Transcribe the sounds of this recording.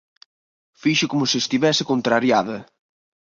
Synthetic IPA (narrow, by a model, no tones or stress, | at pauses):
fiʃʊkomʊsɪːst̪iβɛsɪkont̪ɾaɾjaðɐ